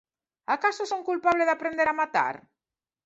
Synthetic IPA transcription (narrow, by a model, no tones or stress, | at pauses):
akasosõŋkulpaβleðapɾẽnd̪eɾamat̪a̰ɾ